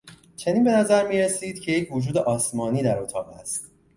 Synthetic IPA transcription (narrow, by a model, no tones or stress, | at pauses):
t͡ʃʰe̞niːnbe̞næzæɾmiːɾesiːd̪̥cʰe̞je̞cʰvod͡ʒuːd̪e̞ʔɒːsmɒːniːd̪æɾot̪ʰɒ̰ːʁæ̰st̪